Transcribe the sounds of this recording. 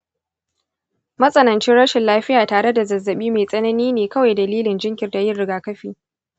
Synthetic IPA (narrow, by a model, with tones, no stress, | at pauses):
mɐ˦sʼɐ˦nɐ˨nt͡ʃɪ˦ɽɐ˦ʃɪ˨nlaː˦ɸɪ˦jaː˨taː˨ɽe˦da˨zɐ˨zːɐ˨ɓiː˦meː˨sʼɐ˦nɐ˦niː˦neː˨kɐ˦wa˨jdɐ˨liː˦lɪ˨nd͡ʒɪ˦ŋkʲɪ˨rda˨jɪ˦rɽɪ˦ɡaː˨kɐ˦ɸḭː˨